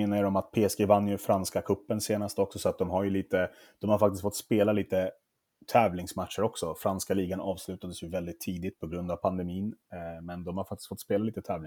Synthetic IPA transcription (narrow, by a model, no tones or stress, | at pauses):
eːnajɾɔmat̪̚pʰeːɛsɡeːvanːjɵfɾanskakʰɵpːənseːnast̪əɔksɔsɔat̪̚d̪ɔmɦaɾjɵliːt̪ə | d̪̥ɔmhaɾfak̚t̪ɪst̪fɔt̪ːspeːlaliːt̪ə | t̪ʰɛːvlɪŋsmat̪ʂəɾɔksɔfɾanskaliːɡanʔɑːvslʉ̟ːt̪ad̪əsjɵvɛld̪ɪt̪ʰːiːd̪ɪt̪̚pʰɔɡɾɵnd̪avpʰand̪ɛmiːnmɛnd̪ɔmhaɾfakt̪ɪ̥st̪fɔt̪ːspeːlaliːt̪ət̪ʰɛːvlɪŋ